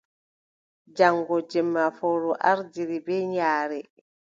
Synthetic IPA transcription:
d͡ʒaŋɡɔd͡ʒɛmːafɔɾɔʔaɾd͡ʒiɾibɛɲaːɾɛ

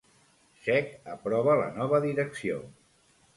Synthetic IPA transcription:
ʃɛkəpɾɔβələ̰nɔβ̞əðiɾəksio̰

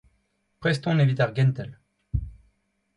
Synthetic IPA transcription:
pχɛst̪ɔ̃nevit̪aʁɡɛnt̪ɛl

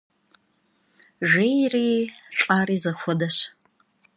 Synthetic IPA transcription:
ʒejriːɬʼaːriːzɐxʷɔdɐɕ

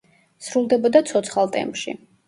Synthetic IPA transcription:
sɾulˠd̪ɛbɔd̪at̪sʰɔt̪sʰχalˠt̪ʼɛ̰mpʃḭ

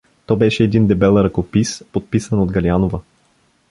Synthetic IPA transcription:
t̪ɔbɛʃɛːd̪ind̪ɛbɛlˠɾɐkopispot̪̚pisənod̪ɡɐlianovə

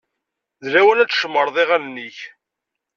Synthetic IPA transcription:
ðɾæwənæt͡sːʃəmːəɾˤðˤeʁænnːiç

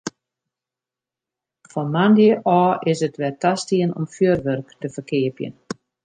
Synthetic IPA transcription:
fɔmandjəʔɔːɪsətʋɛtastiənɔ̰mfjøərʋørktəfərkɪəpjə̰n

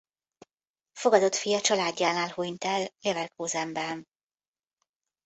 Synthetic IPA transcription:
fo̞ɡɒd̪o̞t̪fijɒt͡ʃɒlaːɟːaːnaːlhujnt̪ɛllevɛlkoːzɛmbɛn

